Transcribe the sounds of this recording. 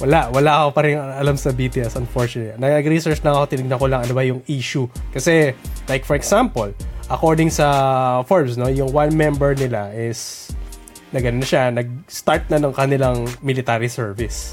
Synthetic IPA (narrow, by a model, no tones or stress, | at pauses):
wɐlaʔwɐlaʔkopɐɾɪŋɐlamsɐbiːt̪ɪɐsɐnfoɹt͡ʃʊnɐt̪nɐɐɡɾisɛɹt͡ʃnɐŋɐko̞t̪ɪnɪɡ̚nɐkolɐŋɐnobajʊŋiːʃukɐsɛlajk̚fɔɹɛksampɐlʔɐkoɹd̪ɪŋsɐfoɹmsno̞jʊŋwanmɛmbɛɹnɪlaʔɪs | nɐɡɐnonɐʃanɐɡ̚st̪aɹt̪̚nɐnɐŋkɐnɪlaŋmɪlɪt̪aːɾisɛɹvɪs